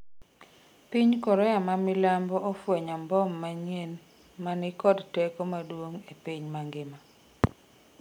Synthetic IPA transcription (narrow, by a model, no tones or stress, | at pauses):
piɲkɔɾɛamamɪlambɔʔɔfwɛɲambɔmːaɲen | manɪkɔdtɛkomadwoŋepiɲmaŋɡɪma